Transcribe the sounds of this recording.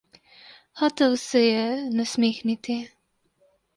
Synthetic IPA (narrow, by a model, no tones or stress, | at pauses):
xaːt̪ɛwsɛjɛnasmeːxnit̪i